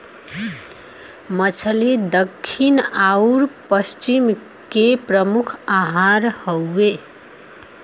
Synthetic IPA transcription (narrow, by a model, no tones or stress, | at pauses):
mət͡ʃʰəlid̪əkʰːinauɾpəst͡ʃim | kepɾəmukʰaɦaɾhowe